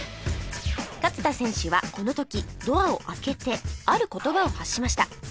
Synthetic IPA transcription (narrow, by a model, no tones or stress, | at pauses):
kat͡sɨ̥t̪asẽ̞ɰ̃ɕɨβa̰ko̞no̞t̪o̞kʲid̪o̞ao̞ʔake̞t̪e̞aɾɯ̟ko̞t̪o̞bao̞haɕːimaɕi̥t̪a